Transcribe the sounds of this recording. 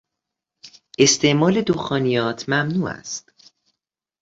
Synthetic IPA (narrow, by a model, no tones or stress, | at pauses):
ʔe̞st̪ʰe̞ʔmɒːle̞d̪oxɒːnijɒːt̪ʰmæmnuːæ̰st̪